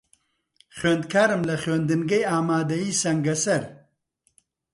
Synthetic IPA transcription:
χweːnd̪kʰaːɾɨmlɐxɥeːnd̪ɨnɡɐjaːmaːd̪ɐjiːsɐŋɡɐsɐɾ

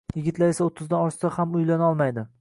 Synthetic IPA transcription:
jɪɡʲɪt̪laɾe̞saot̪ʰːɪzd̪anɒɾʃsahamʊjlanɒlˠmajd̪ɪ

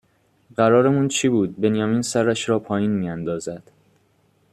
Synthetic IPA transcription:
ɢæɾɒːɾemuːnt͡ʃʰiːbuːd̪̚be̞njɒːmiːnsæɾæʃɾɒːpʰɒːjiːnmiːænd̪ɒːzæd̪̥

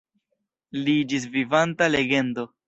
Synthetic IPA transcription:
lid͡ʒis̬vivantale̞ɡe̞ndo̞

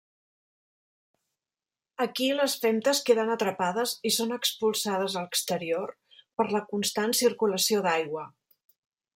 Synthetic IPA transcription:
əkiləsfɛmt̪əskeðənət̪ɾəpað̞əzisonəkspulˠsað̞əzələkst̪əɾior | pəɾləkunst̪ansiɾkuləsioðajɣwə

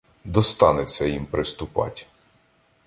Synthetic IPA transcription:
d̪ɔst̪ɑnɪt͡sʲːɐjimpɾɪst̪ʊpɑ̰tʲ

